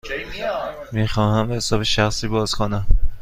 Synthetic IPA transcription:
miːxɒːhæmbehesɒːbeʃæxsiːbɒːz̥kʰonæm

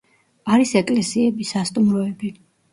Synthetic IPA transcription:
aɾisɛkʼlɛsiɛbisast̪ʼumɾɔɛbi

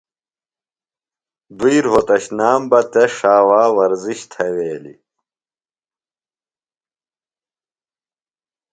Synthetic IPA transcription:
d̪uiɾɦot̪ɐɕnaːmbɐt̪eʂaːwaːwɐɾziɕt̪ʰɐweːlḭ

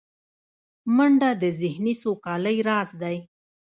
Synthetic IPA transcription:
məɳɖad̪əzɪhnisokɑləjɾɑzd̪aj

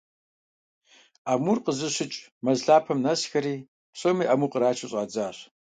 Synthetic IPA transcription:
aːmurqəzɨɕɪt͡ʃʼmɐzɮaːpʰɐmnɐsxɐɾiː | pɕʼomiːʔɐmuqəɾaːt͡ʃʰɨɕʼɑːd͡zaːɕ

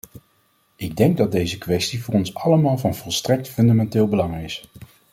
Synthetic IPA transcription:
ɪɡ̚dɛŋɡ̚dɑd̚dejzəkʋɛstivʊːrɔnsɑləmaːlˠvɑnvɔlˠstrɛk̚tfɵndamɛntɪːlˠbəlɑŋɪs

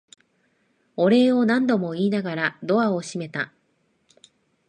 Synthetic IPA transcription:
o̞ɾe̞ːo̞nãnd̪o̞mo̞iːnaɡaɾad̪o̞βao̞ɕime̞t̪a

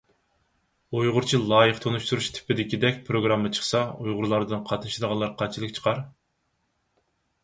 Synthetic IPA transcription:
ujʁʊɾt͡ʃʰilˠɑːjəqt̪ʰonuʃt̪uɾuʃt̪ʰɪ̥pʰːɪd̪ɪkʲid̪ɛkʲpʰɾoɡɾɑmːɨt͡ʃʰə̥χsɑujʁʊɾlˠɑɾd̪ɨnqʰɑt̪ʰnɨʃid̪əʁɑnlˠɑɾqʰɑt͡ʃʰilˠɨkʲt͡ʃʰə̥qʰɑɾ

